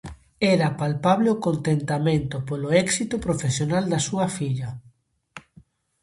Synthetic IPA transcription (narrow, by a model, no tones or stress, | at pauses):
ɛɾɐpalpaβleokont̪ent̪amẽnt̪ʊpolʊɛksit̪ʊpɾofesjonald̪ɐsuɐfiʎɐ